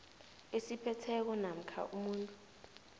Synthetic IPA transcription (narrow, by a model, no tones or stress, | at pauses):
esipʰɛtʰɛk̬ɔnam̩kʰa̰ʔumuːntʼu